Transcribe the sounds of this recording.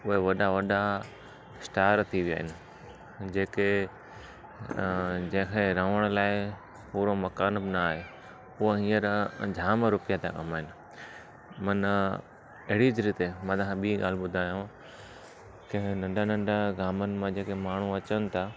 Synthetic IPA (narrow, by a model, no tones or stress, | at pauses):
ʊɦeʋɐɗaʋɐɗa | sʈaːɾt̪ʰiʋija̰ːɦɪnɪ̆ | d͡ʑeːke | d͡ʑɐ̃ɦːɪ̃kʰeɾəʋəɽ̃laːɪ | puːɾomɐkaːnbɪnaaːɦe | ʊɦoɦĩːəɾd͡ʑʱaːməɾʊpjat̪a̰kɐmaːɦɪnɪ̆ | mɐn | ɐɦɪɽid͡ʑɾit̪emãːt̪akʰãɓiːɠaːl̤ɪɓʊd̪ʱaːjũ | kenɐ̃ɳɖʱanɐ̃ɳɖʱaɡaːmənɪ̆mãd͡ʑeːkemaːɳ̤uɐt͡ɕənɪ̆t̪ʰa